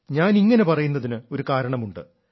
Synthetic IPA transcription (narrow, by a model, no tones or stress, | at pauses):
ɲaːniŋːɐne̞pɐrɐjunːɐðinɨo̞ɾukaːɾɐɳɐmuɳɖɨ̰